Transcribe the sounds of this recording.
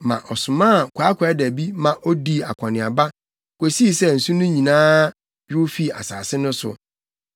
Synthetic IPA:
mã̰˨ʔɔ˨sʊ˨mã˦a˨kʷʰa˨˦kʰːdæ˨bi˦mã˨ʔɔ˦di˦a˨kʷʰã˨nɪ̃˨a˨ba˦ | kʷe˨si˦˨sɛ˦˨n̩˨sũ˦nʊ̃˦ɲĩ˨nãː˦ | ɥʊ˦fi˦˨a̰˨saː˨sɪ˦nʊ̃˦sʊ̰˨

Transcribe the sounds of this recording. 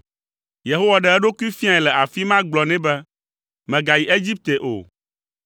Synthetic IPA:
je˨ɦo˦wa˨ɖɛ˨ɛ˦ɖo˦ku˦i˦fi˦a˨ɛ˨lɛ˨ʔa˨fi˦mã˦ɡ͡blɔ˨nɛ̃˦bɛ˦ | mɛ̃˨ɡa˨ji˨ʔe˦d͡ʑi˦p̚t̪e˨ʔo̰˨

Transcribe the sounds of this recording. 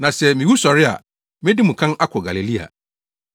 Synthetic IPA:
nã˨sɛ˨mĩ˨wu˦sɔ˨ɾɪ˦a̰˨ | mɪ̃˦dɪ˦mũ˨kʰã˦na˦kʰɔ˨ɡa˨le˨li˦a̰˨

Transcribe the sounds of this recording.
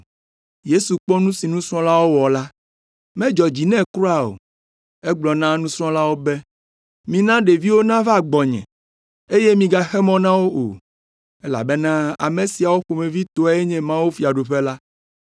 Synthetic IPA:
je˦su˨k͡pɔ˦nũ˦si˨nũ˦sɾɔ̃˦la˦wo˦wɔ˨la˦ | mɛ̃˦d͡ʒɔ˨d͡ʑi˨nɛ̃˦kɾo˦a˨o̰˨ | e˦ɡ͡blɔ˨nã˦nũ˦sɾɔ̃˦la˦wo˦bɛ˦ | mĩ˨nã˦ɖe˨vi˦wo˦nã˦va˦˨ɡ͡bɔ˨ɲɛ̰̃˨ | e˦je˦mĩ˨ɡa˨xɛ˦mɔ̃˦nã˦wo˦ʔo̰˨ | e˦la̰˨bɛ˦nã˦a̰˨me˨si˨a˨wo˦ɸo˨mẽ˨vi˦t̪o˨a˨˦e˦ɲɛ̃˨mã˦wu˦fi˨a˨ɖo˨ɸe˦la˦

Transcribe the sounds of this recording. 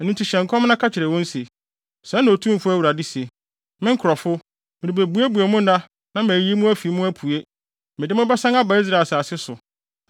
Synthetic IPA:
nʊ̃˦tʰi˨ɕɛ̃˨ŋkʰɔ̃˦m˦nã˦kʰa˦t͡ɕʰɪ˨ɾɛ˨wɔ̃˦n̩˦si˨ | sɛ̃˨˦nːã˨o˨tʰũ˦m˨fʊ˦æ˦wu˨ɾa˨di˦si˨e˨ | mɪ̃˦ŋ̩˦kʰʊ˨ɾɔ˨fʊ˦ | mɪ̃˨ɾi˨be˨bu˨˦e˦bu˨e˨mʊ̃˦nã˦ | nã˦mæ˨ji˦mʊ̃˦æ˦fi˨˦mʊ̃˦æ˦pʰu˨e˦ | mɪ̃˨dɪ˦mʊ̃˦bɛ˦sã˦ŋa˦ba˨i˦s̬ɾa˦˨saː˨sɪ˦sʊ˨

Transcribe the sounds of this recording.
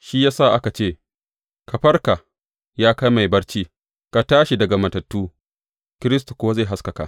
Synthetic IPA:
ʃiː˦jaː˦sa˦˨ʔa˦ka˨t͡ʃeː˦˨ | kɐ˨ɸɐ˦rka˨ | jaː˦ka˦jma˨jbɐ˦rt͡ʃiː˦ | ka˨taː˦ʃi˨dɐ˨ɡa˨mɐ˨tɐ˨tːuː˦ | kʲɪ˦ɾɪ˦stu˨kʷʊ˦wa˦za˦˨ɦa˦skɐ˨ka̰˨ʔ

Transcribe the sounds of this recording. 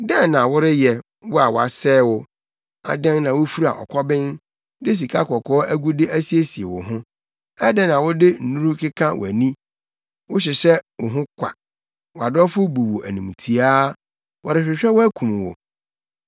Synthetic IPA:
dɛ̃˦nːã˨wʊ˦ɾɪ˦jɛ˨ | wɔ˦a˨wɔ˨a˨sɛː˦wʊ˦ | a̰˨dɛ̃˦nːã˨wo˦fi˦ɾa̰˨ʔɔ̰˨kʰɔ˦bɪ̃˦n | dɪ˦s̬i˨kʰa˦kʰɔ˨kʰɔː˦ʔæ˦ɡu˦dɪ˦ʔæ˦si˦e˦si˨e˨wʊ̰˨ɦʊ̃˦ | ɛ˦dɛ˦nã˨wʊ˦dɪ˦n̩˨nũ˦ɾu˦kʰɪ˦kʰã˦w̰æ˨nĩ˦ | wʊ˦ɕ̬ɪ˨ɕɛ˦wʊ˨ɦʊ̃˦kʷʰa̰˨ | wɔ˨a˨dɔ˦fʊ˦bu˨wo˨ʔæ˨nũ˨m˨tʰi˨a˦ | wʔɔ˨ɾɪ˨ɕᶣɪ˨ɕᶣɛ˦wʊ˦æ˦kʰũ˨m˨wo̰˨

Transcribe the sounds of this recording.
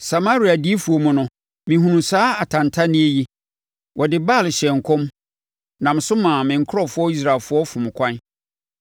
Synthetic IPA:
sa˨ma˦ɾi˨a˨di˦e˦fu˨o˨mʊ̃˨nʊ̃˨ | mɪ̃˨ɦũ˨nũ˨saː˦a˨tʰã˨ntʰa˦nɪ̃˦e˦ji˦ | wʔɔ˨dɪ˨ba˦˨lɕɛ˨ŋ̩˨kʰɔ̃˦m | nã˨m˨sʊ˦mãː˨mɪ̃˨ŋ̩˨kʰʊ˦ɔ˨fʊ˦ɔ˦i˦s̬ɾa˨lfʊ˦ɔ˦fʊ̃˨m˨kʷʰã˦n

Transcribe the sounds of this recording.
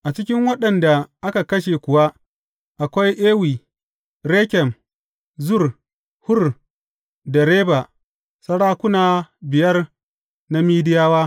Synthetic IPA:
ʔa˨t͡ʃɪ˦kʲɪ˦ŋwɐ˦ɗɐ˨nda˨ʔa˦ka˨kɐ˦ʃe˨kʷʊ˨wa˦ | ʔa˨kʷa˦jʔeː˦wiː˨ | ɾeː˦kʲɛ˨m | zʊ˦˨r | hʊ˦r | dɐ˨ɾeː˦ba˨ | sɐ˦ɽaː˦kʷʊ˦naː˨bɪ˨jɐ˦r | na˦miː˦dɪ˦jaː˦waː˦

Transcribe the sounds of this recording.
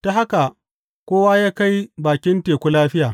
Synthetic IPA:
ta˨ɦa˦ka˨ | kʷoː˦waː˦jaː˦ka˦jbaː˨kʲɪ˦nteː˨kʷu˦laː˦ɸɪ˦jaː˨

